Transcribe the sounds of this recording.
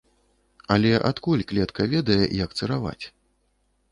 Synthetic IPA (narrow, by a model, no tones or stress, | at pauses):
ɐlʲɛʔat̪kulʲklʲɛt̪kɐvʲɛd̪ɐjɛjɐkt̪sɨɾava̰t͡sʲ